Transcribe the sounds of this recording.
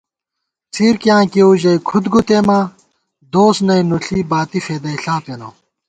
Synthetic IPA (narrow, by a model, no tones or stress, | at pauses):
t͡sʰiːɾkjãːkiuʑɐjkʰud̪ɡut̪emãː | d̪oːsnɐjnuɬiːbaːt̪ifeːd̪ɐɬãːp̪enõ̰ː